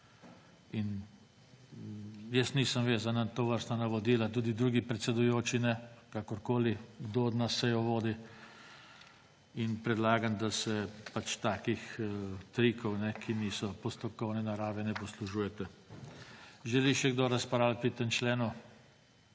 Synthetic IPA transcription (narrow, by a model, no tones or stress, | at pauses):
in | jəsniːsəmʋeːzanat̪oʋəɾst̪anaʋɔd̪iːlat̪uːd̪id̪ɾuːɡipɾɛt̪sɛd̪ujoːt͡ʃinɛkakɔɾkoːliɡd̪od̪nasːɛjɔʋoːd̪i | inpɾɛd̪laːɡand̪asɛpat͡ʃt̪aːkixt̪ɾikɔwnɛkʰiniːsɔpɔst̪ɔkɔwnɛnaɾaːʋɛnɛpɔsluʒuːjɛt̪ɛ | ʒɛliʃɛɡd̪oɾaspɾalpɾit̪ent͡ʃlɛːnu